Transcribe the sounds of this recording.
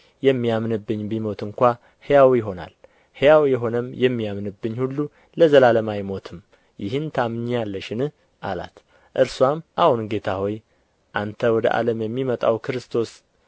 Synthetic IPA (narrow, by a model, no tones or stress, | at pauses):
jɛmːijamnɨbːɨɲːbimo̞t̪ɨŋkʷa | hejawjɪɦo̞na̰l | hɨjawjɛɦo̞nəmjɛmːijamnɨbːɨɲːhulːu | ləzəlaləmajmo̞t̪ʰɨm | jɪhɨnt̪ʰamɨɲjalːəʃɪnɨh | ʔala̰t̪ | ʔɨɾswamʔahunɡe̞t̪ʰaho̞j | ʔant̪ʰəwɔd̪ə̰ʔa̰ləmjɛmːimət̪ʼa̰wkɨɾɨst̪ʰo̞s